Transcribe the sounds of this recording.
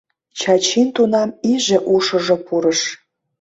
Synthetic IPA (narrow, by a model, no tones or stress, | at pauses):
t͡ɕɑt͡ɕint̪unɑmiʒĕʔuʃɤ̆ʒŏpuɾəʃ